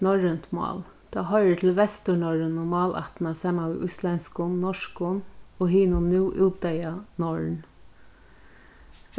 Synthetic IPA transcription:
nɔɹənt̪mɑ̰ːl | t̪ʰɑːɦɔʏɾət̪ʰɪlʋɛst̪əɳɔɹənʊmɑːlʔa̰t̪nasɑːmanʋḭːʔʊ̰slɛnskʊnnɔʂkʊnɔɦiːnʊnːʉːʔuːt̪d̪ɛjanɔɹn

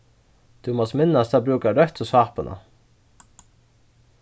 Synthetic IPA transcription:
d̪̥ʉmɔst̪mɪnːast̪ɑːbɾʉːkaɾœht̪ɔsɑːpənə̰

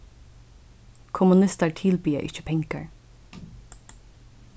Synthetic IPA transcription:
kʰʊmʊnɪst̪əɹʈʰɪːlbiːə̰ʔɪ̰çə̥pʰɛŋkə̰ɹ

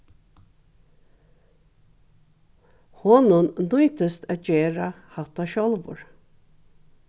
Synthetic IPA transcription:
hɔnʊnd̪ʊjt̪əst̪ad͡ʒeːɾa | hat̪aʃɔlˠvʊ̰ɹ

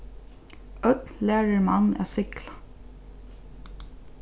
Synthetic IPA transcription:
œt̪læːɹəɹmɑnæ̰sɪklḁ

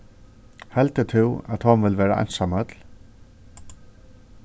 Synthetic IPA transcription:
hɛlt̪ət̪ʰɪwæt̪hɔnʋɪlʋɛːɾaʔa̰jnsamœt̪l

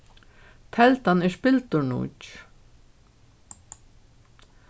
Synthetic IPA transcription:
t̪ʰɛlt̪anɛspɪlt̪ʊɳṵːt͡ʃ

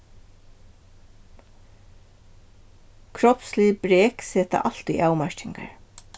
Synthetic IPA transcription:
kʰɾɔpsliːbɾeːksɛːt̪a̰ʔɑlt̪ʏʔaːwmaʃtɪŋka̰ɹ

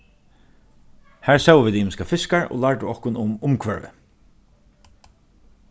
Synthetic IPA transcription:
hæːɹsawʋiːd̪imɪskafɪskaɹo̰ːlaɹʈʊɔhkʊnʊmʊmkʰʋœɹʋɪ̰

